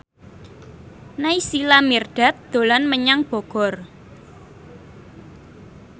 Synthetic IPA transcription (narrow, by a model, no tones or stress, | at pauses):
naisilamirɖ̥a̤t̪̚d̪̥o̤lɔnməɲaŋb̥ɔ̤ɡ̥ɔ̤r